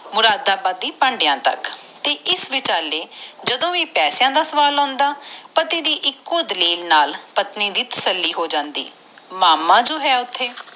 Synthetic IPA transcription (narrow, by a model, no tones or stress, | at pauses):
mʊɾaːd̪ːaːpət̪iːpə̃ɳɖɪjãːt̪ə̰kt̪eːʔɪsʋɪt͡ʃaːleːd͡ʒəd̪õːʋiːpɛːsjãːd̪aːsəʋaːlɔ̃ːnd̪aːpət̪iːd̪iːʔɪkːoːd̪əliːlnaːlpət̪niːd̪iːt̪ə̥səlːiːɦoːd͡ʒãːnd̪ḭː | maːmːãːd͡ʒoːɦɛːʊt̪ʰːeː